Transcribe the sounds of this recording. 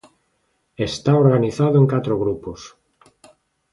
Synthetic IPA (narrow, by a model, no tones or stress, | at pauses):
est̪aoɾɣaniθaðʊeŋkat̪ɾoɣɾupos